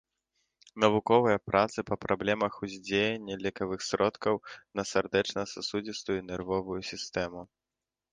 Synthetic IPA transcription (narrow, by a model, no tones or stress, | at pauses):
nɐvukɔvɐjɐpɾʔat̪sɨpɐpɾʔablʲɛmɐxuzʲd͡zʲejɛnʲːɐlʲɛkɐvɨxsɾɔt̪kɐwnɐsʲɛrd̪ɛt͡ʂnɐsasud͡zʲist̪ujɛnʲɛrvɔvujusʲist̪ɛmu